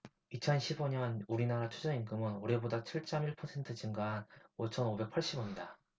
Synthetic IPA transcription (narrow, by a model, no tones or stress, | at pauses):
it͡ɕʰʌnɕʰibʌɲʌnuɾinaɾat͡ɕʰud͡ʑʌiŋɡɯmɯnoɾe̞bodat͡ɕʰiɭt͡ɕ͈ʌmiɭpʰʌsʰe̞ntʰɯd͡ʑiŋɡanot͡ɕʰʌnobe̞k̚pʰaɭɕ͈ibʌɲida